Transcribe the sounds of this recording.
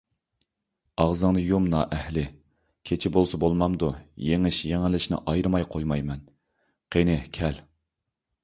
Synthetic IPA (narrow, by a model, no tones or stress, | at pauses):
ɑʁzɨŋnɨjumnɑːʔɛhlɪ | kʲʰet͡ʃʰɪbolˠsɨbolˠmɑmd̪ujeŋɪʃjeŋɪlɪʃnɪ̰ʔɑjɾɨmɑjqʰojmɑjmɛn | qʰenɪkʲʰɛl